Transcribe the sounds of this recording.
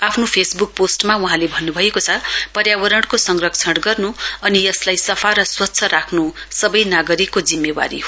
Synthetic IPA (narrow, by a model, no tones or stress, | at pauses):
apʰnopʰesbuk̚posʈmauɦãlebʱʌnːubʱʌekot͡sʰʌpʌɾjawʌɾʌɳɽkosʌŋrʌk̚t͡sʰʌʈɡʌrnuʌnijʌslajsʌpʰaɾʌswʌt̪ːsʰʌɾakʰnusʌbʌjnaɡʌɾikːod͡zimːewa̰ɾḭɦo